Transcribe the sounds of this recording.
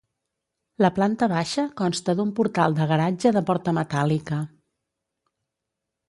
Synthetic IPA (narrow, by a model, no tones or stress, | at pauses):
ləplant̪əβaʃəkɔnst̪əðumpuɾt̪alˠd̪əɣ̞əɾad͡ʒəðəpɔɾt̪əmət̪alikə